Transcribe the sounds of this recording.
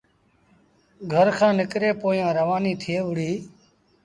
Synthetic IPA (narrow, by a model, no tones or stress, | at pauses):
ɡʱəɾkʰãːnɪkɾeːpoːijãːɾəʋaːniːt̪ʰɪeːʋʊɽiː